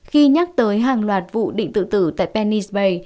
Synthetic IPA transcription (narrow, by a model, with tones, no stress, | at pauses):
xi˧ɲa˦˥k̚t̪əː˨˦jɦaː˨˩ŋlwaː˨˩t̚vṵ˧˨ɗḭ˧˨ŋ̟t̪ɨ̰˧˨t̪ɨ˧˩t̪a̰ː˧˨jpɛ˧ni˧sɓə˧j